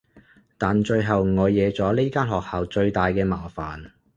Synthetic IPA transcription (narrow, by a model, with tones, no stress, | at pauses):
t̪aː˨nt͡ʃɵ˧ɥɦɐ˨wŋɔː˨˧jːɛː˨˧t͡sɔː˨˥le˥kaː˥nɦɔː˨k̚haː˨wt͡ʃɵ˧ɥt̪aː˨jkɛː˧maː˨˩faː˨˩n